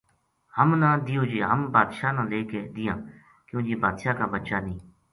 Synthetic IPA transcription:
həmnãːd̪ijoːd͡ʒeːɦəmbaːd̪ʃaːnãːleːkeːd̪ɪjãː | kjõːd͡ʒeːbaːd̪ʃaːkaːbət̪ːʃaːnĩː

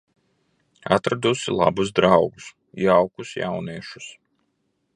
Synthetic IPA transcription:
a̰t̪ɾad̪usilˠa̰buzd̪ɾawɡus | jawkusja̰wniɛʃu̥s

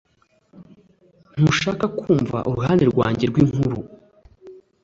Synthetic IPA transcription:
n̥uʃaːkakʰuːɱva̰ʔuɾuɦaːndeɾɡwa̰ːɲɟe̞ɾɡwiːŋhuɾu

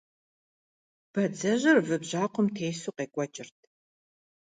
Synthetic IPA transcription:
b̥ɐd͡zɐʑɪrvɨbʑaːqʷʰɔmtʰejsuːqeːkʷʼɔt͡ʃʼɪrtʰ

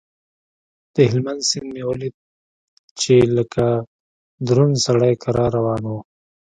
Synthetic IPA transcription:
d̪̥əɦɪlmand̪sɪnd̪mewoli | t͡ʃeləka | d̪ɾunsaɽajkaɾaɾawɑːnu

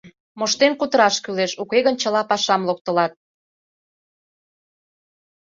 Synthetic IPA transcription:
moʃt̪enkut̪əɾɑʃkyleʃukeɣənt͡ɕə̆lɑpɑʃɑmlok̚t̪ə̆lɑt̪̚

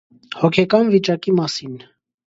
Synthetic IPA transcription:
hɔkʰɛkɑnvit͡ʃɑkimɑsin

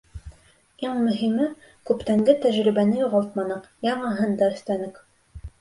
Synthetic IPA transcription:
iɴmɵ̆ɦimɘ | kʉpt̪æŋɡ̪ɘt̪æʒɾibænɘjuʁɑlˠt̪mɑnɤqjɑɴɑɦɤnd̪ɑɵ̆θt̪ænɘk

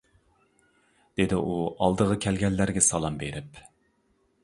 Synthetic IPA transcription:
d̪̥ed̪ɪʔuɑlˠd̪əʁəkʲʰɛlɡʲɛlːæɾɡʲɛsɑlˠɑmbeɾɪp

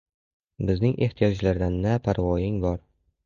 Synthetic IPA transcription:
bɪznɪŋʔe̞ht̪ʰijɒd͡ʒlaɾd̪anːapʰaɾvɒjɪŋbɒɾ

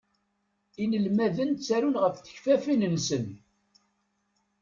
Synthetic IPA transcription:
inəlmæðənt͡sːæɾunʁəfθə̥çfæfinənsən

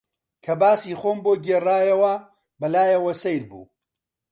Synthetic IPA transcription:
kʰɐbaːsiːxoːmboːɡeːraːjɐwɐ | bɐlaːjɐwɐsɐjɾbṵː

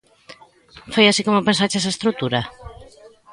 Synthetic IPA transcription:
fojasikomopensat͡ʃɛs̬aest̪ɾut̪uɾa

